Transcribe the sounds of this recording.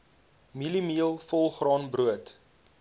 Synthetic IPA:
milimiəlˠfɔlˠχrɑːnbruət

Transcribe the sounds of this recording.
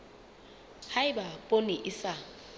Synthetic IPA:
haɪbapʼonɪʔɪsa

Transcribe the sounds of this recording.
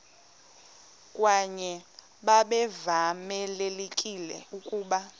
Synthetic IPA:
kʼwaɲɛ | ɓaɓɛvamɛlelekʼilɛ̰ukʼuːɓa

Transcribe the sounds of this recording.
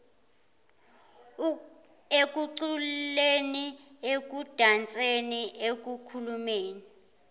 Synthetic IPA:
ek̬ʼuǀulleni | ek̬ud̥ʱant͡sʼeniʔek̬ukʰulumeːni

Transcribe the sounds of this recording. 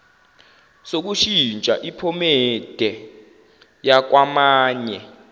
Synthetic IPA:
sok̬uʃint͡ʃʼa̰ʔipʰɔmɛd̥ʱɛ | jak̬wamaːɲɛ

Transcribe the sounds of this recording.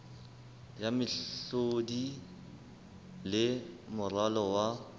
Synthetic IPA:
jamɪɬodi | lɪmʊralɔwa

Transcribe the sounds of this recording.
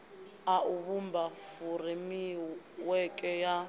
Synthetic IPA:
auβumbafurimi | wɛkʼɛja

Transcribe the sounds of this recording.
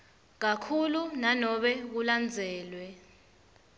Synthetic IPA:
k̬akʰulunanɔɓɛk̬uland͡zʱɛːlwɛ

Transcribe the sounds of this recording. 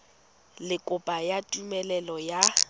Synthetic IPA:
lɪkʼʊpʼajatʼumɛlɛlɔja

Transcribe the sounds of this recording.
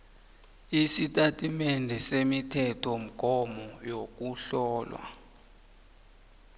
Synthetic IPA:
isitʼatʼimɛndʱɛsemitʰɛtʰɔm̩ɡ̥ʱɔmɔjok̬uɬɔːlwa̰

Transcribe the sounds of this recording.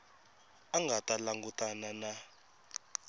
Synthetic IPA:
aŋɡʱatʼalaŋɡutʼanana

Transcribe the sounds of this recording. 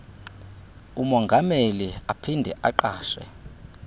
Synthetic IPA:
umɔŋɡʱameliapʰindʱɛ̰ʔaǃaːʃɛ̰

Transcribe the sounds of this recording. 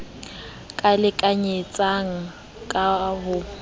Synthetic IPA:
kʼalɪkʼaɲet͡sʼaŋ̩ | kʼaɦʊ

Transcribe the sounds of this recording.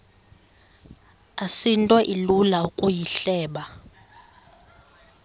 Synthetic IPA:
asintʼwɔʔilulaukʼujiɬɛːɓa

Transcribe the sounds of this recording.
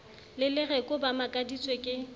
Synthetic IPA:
lɪlɪrɛkʼʊbamakʼadit͡sʼwekʼɪ

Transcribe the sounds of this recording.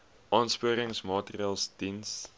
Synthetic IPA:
ʔɑːnspuəɾəŋsmɑːtəriɑlˠsd̥ins

